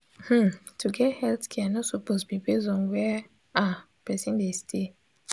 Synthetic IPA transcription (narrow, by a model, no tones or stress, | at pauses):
h̩tʰuɡɛthɛltkʰɛnosupozbipezɔ̃nwɛ | a | pɛsĩndestʰe